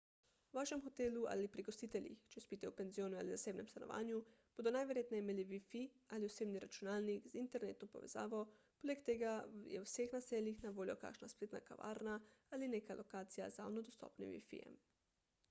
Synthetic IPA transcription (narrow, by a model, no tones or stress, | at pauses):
uʋaʃɛmxot̪eːlua̰lipɾiɡost̪iːt̪ɛljḭxt͡ʃɛspit̪ɛupenzijoːnua̰lizaseːbnɛmst̪anoʋa̰ːnjub̥od̪onajʋeɾjeːt̪nɛimeliʋifi | alioseːbniɾat͡ʃunaːlnikzint̪ɛɾnḛt̪nopo̰ʋɛza̰ːʋopolekt̪eɡajɛ̰wsexnaseːlixnaʋoːljoka̰kʃnaspleːt̪nakaʋa̰ːɾnaalineːkalʔokaːt̪sija̰za̰wnod̪ost̪o̰ːpnḭmʋḭfḭjɛ̰m